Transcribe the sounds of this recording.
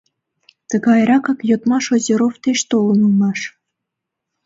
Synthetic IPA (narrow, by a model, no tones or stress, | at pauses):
t̪ə̆ɣɑjɾɑkɑkjot̪mɑʃozʲeɾoft̪eʃt̪olɤnɤmɑʃ